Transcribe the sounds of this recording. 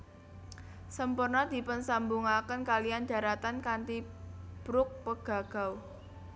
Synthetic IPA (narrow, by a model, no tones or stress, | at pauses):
səmpʊrnɔd̪̥i̤pənsambuŋakənkalijand͡ʒ̥ä̤ɾat̪ankant̪ib̥ɾʊk̚pəɡ̥a̤ɡ̥a̤w